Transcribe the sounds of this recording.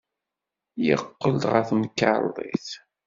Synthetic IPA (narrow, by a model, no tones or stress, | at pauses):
jə̰qːəld̪ʁəθnkːa̰ɾˤðˤḭθ